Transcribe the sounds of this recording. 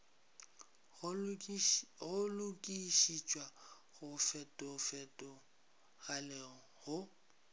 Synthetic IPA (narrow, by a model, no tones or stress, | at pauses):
ɣʊlʊkʼiʃit͡ʃʼwa | ɣʊfɛtʼɔfɛtʼɔ | ɣalɛɣɔhʊ